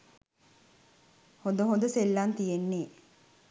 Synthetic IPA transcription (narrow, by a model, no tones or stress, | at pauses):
hod̪əɦond̪əselːant̪ijenːeː